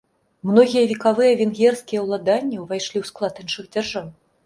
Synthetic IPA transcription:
mnɔɣʲijɐvʲikavɨjɐvʲɛnɣʲɛrskʲijɐwlˠad̪anʲːɐwvajʂlʲiwsklˠat̪ɨnt͡ʂɨɣd͡zʲarʐaw

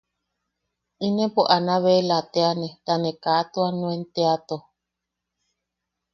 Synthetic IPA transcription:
inẽpoʔanaβelat̪eanẽɾanekaːt̪uanw̃ent̪eat̪o

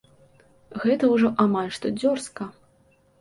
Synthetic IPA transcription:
ɣɛt̪ɐwʐɔʔamalʲʂt̪ɔd͡zʲɔrskɐ

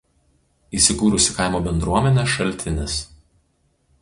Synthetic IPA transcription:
iːˑsʲɪkuːɾʊsʲɪkɐˑɪmoːbʲɛnd̪ɾuɔmʲɛnʲɛʃɐlʲˑt̪ʲɪnʲɪs

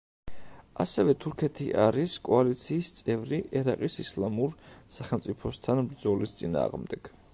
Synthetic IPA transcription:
asɛvɛt̪ʰuɾkʰɛt̪ʰiʔaɾiskʼɔalit̪sʰiːst̪sʼɛvɾiʔɛɾaqʼisislˠamuɾsaχɛlˠmt̪sʼipʰɔst̪ʰanbɾd̪zɔlist̪sʼina̰ːʁmd̪ɛɡ̥

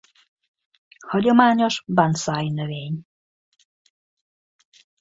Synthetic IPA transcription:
hɒɟomaːɲoʃbansaːjnøveːɲ

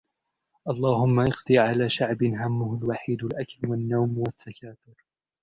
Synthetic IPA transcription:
ʔɑlˤːɑːhʊmːaʔɑqd̪ˤɨʕalaːʃaʕbɪnɦamːʊhʊlwaħiːd̪ʊlʔaklwanːawmwaθːakaːt̪ʊɾ

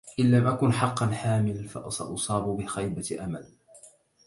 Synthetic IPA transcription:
ʔɪnlamʔakʊnħɑqːɑnħaːmɪlfɑ̰ʔɑsɑ̰ʔʊsˤɑːbbɪxajbaʔamal

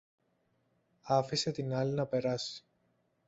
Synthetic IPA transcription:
ɐfise̞t̪inɐlinɐpe̞ɾɐsi̥

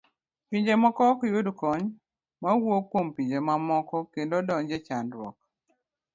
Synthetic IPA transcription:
piɲd͡ʒemɔkɔkjudkɔɲ | mawokwompiɲd͡ʒemamɔkɔkendodɔŋd͡ʒet͡ʃandɾwɔ̰k̚

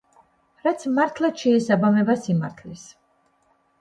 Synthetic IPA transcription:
ɾat̪sʰmaɾt̪ʰlˠaʃɛːsabamɛbasimaɾt̪ʰlis

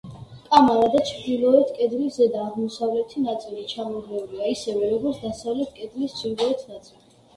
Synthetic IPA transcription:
kʼamaɾad̪at͡ʃʰd̪ilˠɔɛt̪ʰkʼɛd̪lizɛd̪aːʁmɔsavlɛt̪ʰinat̪sʼilit͡ʃʰamɔd̪lɛuliaisɛvɛɾɔɡɔɾt̪ʰd̪asavlɛt̪ʰkʼɛd̪list͡ʃʰilɔɛt̪ʰnat̪sʼili

